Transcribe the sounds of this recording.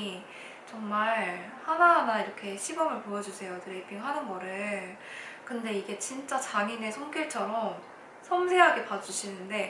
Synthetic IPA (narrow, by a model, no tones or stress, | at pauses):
t͡ɕʌŋmaɭ | hanaɦanaiɾʌkʰe̞ɕʰibʌmɯɭpojʌd͡ʑusʰe̞jotɯɾepʰiŋɦanɯnɡʌɾɯɭɭɭ | kɯnde̞iɡe̞t͡ɕint͡ɕ͈at͡ɕaŋine̞sʰʌŋɡʌɭt͡ɕʰʌɾʌm | sʰʌmsʰeɦaɡe̞pad͡ʑuɕʰinɯnde̞